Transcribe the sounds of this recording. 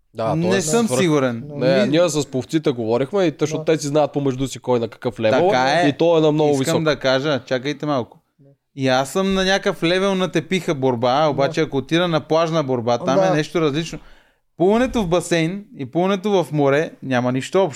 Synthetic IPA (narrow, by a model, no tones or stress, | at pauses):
d̪anɛsəmsiɡuɾɛnnɛnʲiəsɐspoft̪sit̪ɛɡovɔɾixmɛit̪əʃnɔt̪ɛsiznajət̪̚pomɛʒd̪usikɔjnɐkɐ̥kəflɛvt̪ɐɛaɛit̪ɔɛnɐmnɔiɡʊsviskəmd̪ɐkaʒət͡ʃakəjt̪ɛmalˠkʊ̥ | iasəmnɐnʲakəflɛvɛlˠnɐt̪ɛpixəboɾbaobat͡ʃɛɐkoːt̪iɾɐnɐplˠaʒnɐboɾbat̪ammɛnɛʃt̪oɾɐzlit͡ʃno | puvɐnɛt̪ovbɐsɛjnipuvɐnɛt̪ovɐfmoɾɛnʲamɐniʃt̪oɔpʃ